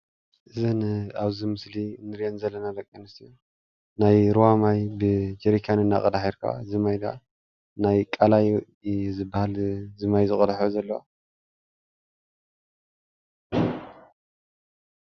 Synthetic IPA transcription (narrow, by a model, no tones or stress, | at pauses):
ʔɨzɐnaβzimɨslinɨɾjɐnzɐlːɐnadɐkʼːinɨsiju | najɾuwamajbɨd͡ʒeɾikʰjanɨnːa̰kʼɐd̪aħiɾkʰa̰zɨmajd̪a̰ | najkʼalaj | zɨbːahalzɨmajzɨχʼɐlħozɐlːɐwa̰